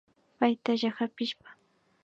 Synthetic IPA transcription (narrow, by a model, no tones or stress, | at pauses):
pajt̪aʒahapɪʃpḁ